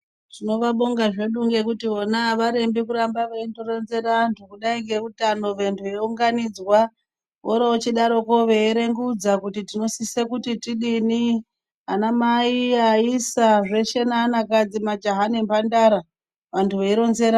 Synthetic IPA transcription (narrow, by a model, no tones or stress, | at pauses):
tino̞ʋaɓoŋɡaʐe̞ɗuŋɡe̞kutio̞naʋaɾe̞mbikuɾambaʋeintoɾo̞nze̞ɾantʰukuɗaiŋɡe̞kutano̞ʋentʰuʋeuŋɡanid͡zwa | ʋoɾaot͡ʃiɗaɾo̞koʋe̞ːɾe̞ŋɡud͡zakutitino̞sisekutitiɗini | ɦanamaiaisaʐe̞ʃenaːnakad͡zimad͡ʒaɦanempandaɾa | ʋantʰuʋeiɾo̞nze̞ɾa